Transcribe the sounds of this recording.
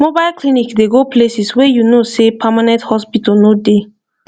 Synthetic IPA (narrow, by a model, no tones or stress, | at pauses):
mobaɪlklĩnikdeɡoplesiswɛjunosepʰamanɛ̃nthɔspitɔnode